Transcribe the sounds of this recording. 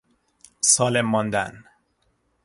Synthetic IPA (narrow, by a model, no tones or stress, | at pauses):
sɒːlemːɒnd̪æn